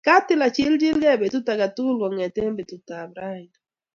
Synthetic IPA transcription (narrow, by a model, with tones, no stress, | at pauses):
ka˦tɪ˦˨la˨t͡ʃi˦ld͡ʒi˦lɡɛ˦˨be˨tu˦ta˨ka˨tu˦lwɔ˨ŋɛ˨te˦mbe˨tu˨ta˨bɾa˦i˨n